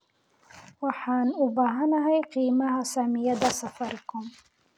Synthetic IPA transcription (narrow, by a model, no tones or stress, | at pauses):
waħanʔʊbaɦanaɦajqiːmahasaːmijad̪asafɑɾkʊm